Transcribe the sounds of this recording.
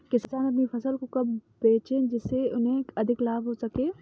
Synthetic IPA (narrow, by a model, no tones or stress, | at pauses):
kɪssaːnɐp̪nipɐsəlkokɐbbeːt͡ʃẽːd͡ʒɪseʊnɦẽɐd̪ʱɪklaːbɦoːsɐkeː